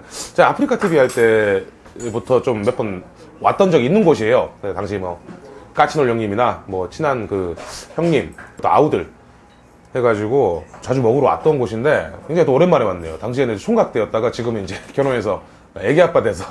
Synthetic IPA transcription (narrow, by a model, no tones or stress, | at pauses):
t͡ɕeapʰɯɾikʰatʰibiɦaɭt͈e̞ | butʰʌt͡ɕomːe̞pʰʌn | wa̰t͈ʌnd͡ʑʌɡinːɯnɡoɕʰie̞jokɯnetaŋɕʰimʌk͈at͡ɕʰinoɭjʌŋɲiminamwʌt͡ɕʰinankɯçjʌŋɲimt͈ʰoa̰udɯɭ | he̞ɡad͡ʑiɡot͡ɕad͡ʑumʌɡɯɾowa̰t̚t͈ʌnɡoɕʰinde̞inɡaet͈oːɾenmaɾemanːḛjotaŋɕ̬ʰienɯsʰoŋɡak̚t͈e̞ʌt̚t͈aɡat͡ɕiɡɯmind͡ʑe̞kjʌɾoŋe̞s̬ʰʌ | je̞ɡeɦap̚p͈ade̞sʰʌ̥